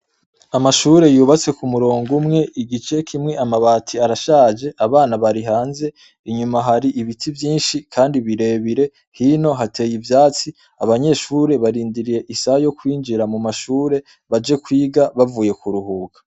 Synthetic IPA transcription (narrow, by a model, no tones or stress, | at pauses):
amaʃuːɾe̞juːβat͡se̞kumuɾoːŋɡumŋe̞ʔiɡit͡ʃe̞kʰimŋe̞amaβaːtʰiaɾaʃaːd͡ʒe̞ʔaβaːnaβaɾiɦaːnze̞ | iɲumaɦaɾiʔiβitʰivjiːnʃikʰaːndiβiɾe̞ːβiɾe̞ | hino̞ɦatʰe̞ːjivjaːt͡si | aβaɲe̞ʃuːɾe̞βaɾiːndiɾije̞ʔisahjo̞kwiːnd͡ʒiɾamumaʃuːɾe̞ | βad͡ʒe̞kwiːɡaβavuːje̞kuɾuɦuːɡḁ